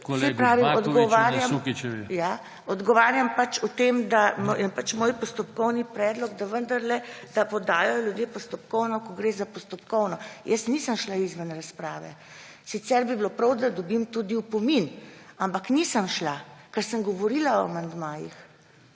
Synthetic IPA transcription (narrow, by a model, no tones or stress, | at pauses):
sɛpɾaːʋimɔd̪ɡɔʋaɾjamja | ɔd̪ɡɔʋaːɾjampat͡ʃɔt̪emd̪amjɛpat͡ʃmoːjpɔst̪ɔpkɔwnipɾɛːd̪lɔɡd̪aʋənd̪ɐɾlɛd̪̥apɔd̪aːjajɔlʲjud̪jepɔst̪ɔpkɔwnɔkɔɡɾeːzapɔst̪ɔpkɔwnɔjəsnisəmʃlaizʋənɾaspɾaːʋɛ̰ | sit̪sɛɾbibilopɾɐwd̪ad̪ɔbimt̪ud̪iwpɔminampaknisəmʃlakəɾsəmɡɔʋɔɾilaɔa̰mand̪maːjḭx